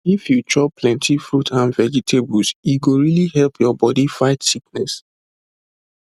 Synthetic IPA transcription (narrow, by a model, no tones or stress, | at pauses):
ifjutʰɹɔplɛ̃ntʰifɹutʰãnvɛd͡ʒitʰebusjiɡoɹilihɛlpʰjɔbɔdifaɪtsik̚nɛs